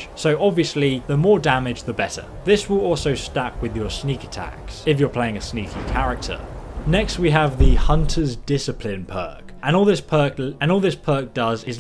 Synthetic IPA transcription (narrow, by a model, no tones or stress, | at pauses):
soʊʔɒbviəsliðəmɔːdæmɪd͡ʒðəbɛtə̰ | ðɪswɪlˠɔˑlˠsəʊstak̚ʰwɪðjə˞sniˑkə̥tʰæ̰ksɪfjə˞pʰl̥eɪɪ̃ŋɨsniˑkʰikʰaɹɪk̚tʰə̰nɛkst̚wiəvðəhʌ̃ntʰəzdɪsɨpʰlɪ̃npʰɜˑkə̃nɔlˠðɪspʰɜˑ˞kə̃nɔːlˠðɪspʰɜˑk̚d̥ʌzɪz